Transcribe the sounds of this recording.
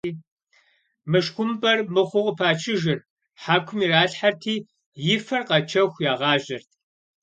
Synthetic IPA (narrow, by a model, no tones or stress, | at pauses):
mɨʂxʷʊmbɐrmɨχʷʊʁʊpʰaːt͡ʃʰɪʒɪr | ħaːkʷʰʊmiːraːɬħartʰiː | jɪfɐrqɐt͡ʃʰɐxʷjaːʁɑːʒɐrtʰ